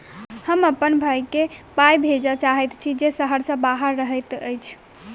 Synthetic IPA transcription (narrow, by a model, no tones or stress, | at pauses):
həməpːənbʱajkepajbʱed͡ʒət͡ʃaɦɛt̪t͡ʃʰid͡ʒesəɦəɾsə̃baɦəɾːəɦəjt̪ə̰jt͡ʃʰ